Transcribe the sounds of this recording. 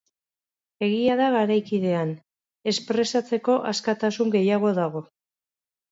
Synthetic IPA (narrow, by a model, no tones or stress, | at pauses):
e̞ɣiaðaɣaɾajkið̞e̞an | e̞spɾe̞sat͡se̞ko̞ʔaskat̪asuŋɡe̞jaɣ̞o̞ðaɣo̞